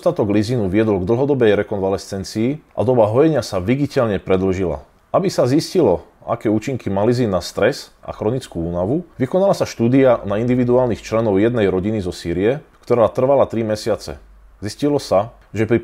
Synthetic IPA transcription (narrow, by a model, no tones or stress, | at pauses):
st̪at̪ɔɡlizinuʋɪɛd̪lɔɡd̪l̩ɦɔd̪ɔbɛjɾɛkɔnʋalɛst͡sɛnt͡siːʔa̰d̪ɔbaɦɔjɛɲɪasaʋiɡicɛlɲɛpɾɛd̪l̩ʒila̰ | abisaziscilɔa̰kɛːuːt͡ʃiŋkʰimaliziːnːast̪ɾɛsʔa̰xɾɔnit͡skuuːnaʋuʋikɔnalasaʃt̪uːd̪ianaind̪iʋid̪uaːlnixt͡ʃlɛnɔʊjɛd̪nɛjɾɔɟinizɔsiːɾiɛkt̪ɔɾaːt̪r̩ʋalat̪ɾimɛsɪat͡sɛ̰ | ziscilɔsa | ʒɛpɾi